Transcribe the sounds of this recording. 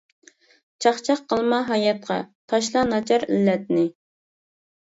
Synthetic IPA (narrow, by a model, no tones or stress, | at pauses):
t͡ʃʰɑχt͡ʃʰɑqʰːəlˠmɑɦɑjɑt̪̚qʰɑ̰t̪ʰɑʃlˠɑnɑt͡ʃʰɑɾilːɛt̪̚nɪ